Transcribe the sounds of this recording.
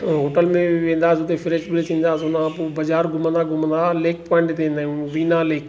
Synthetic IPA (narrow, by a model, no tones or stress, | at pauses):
ɦoːʈəlmẽʋẽːn̆d̪aːsʊt̪efɪɾeːʃbɾet̪ʰĩːnd̪aːsʊnãpoːbɐd͡ʑaːɾɡʱʊmə̃nd̪aːɡʱʊmə̃nd̪aːleːkpɔ̃ːɪ̃ɳʈt̪ẽːnd̪aːũʋiːnaleːk